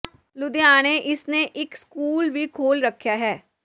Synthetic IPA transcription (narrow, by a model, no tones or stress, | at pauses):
lʊd̪ejaːneʔɪsneʔɪkskuːlʋikʰoːlɾəkʰːjaɦɛː